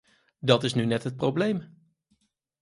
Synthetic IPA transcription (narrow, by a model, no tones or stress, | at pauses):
dɑtɪsnynɛtɦət̚prowblejm